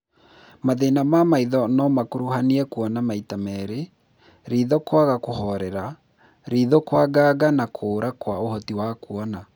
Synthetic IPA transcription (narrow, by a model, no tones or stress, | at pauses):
maðenamamaiðɔnɔmakoɾohaniɛkuɔnamaitamɛɾe | ɾiðɔkwaɣakohɔɾɛɾa | ɾiðɔkwaɡaːɡanakʰoːɾakwaohɔtiwakwɔna